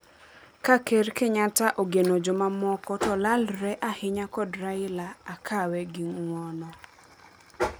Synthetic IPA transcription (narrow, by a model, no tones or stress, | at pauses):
kakeɾkeɲataʔoɡenod͡ʒɔmamɔkɔtɔlalɾɛʔahɪɲakɔdɾaɪlaakʰawɛɡɪŋwɔnɔ